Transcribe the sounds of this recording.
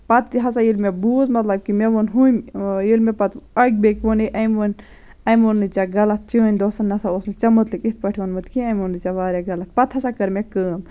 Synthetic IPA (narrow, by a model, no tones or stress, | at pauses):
pɐt̪ɦɐsajilmebuːzmɐt̪lɐb̚kimeʋonɦumjilmepɐt̪ɐɡ̚ʲbekʲʋoniʔɐjmon | ɐjmonːɨt͡ʃaɡɐlɐt̪̚t͡ʃiːnʲd̪oːsɐnːɐsaosnɨt͡ʃɐmot̪likit̪̚pɐʈʰiʋonmɨt̪kʰiɐjmonːɨt͡ʃaʋaːɾjaɡɐlɐt̪̚pɐt̪ʰhɐsakɐɾmekəːm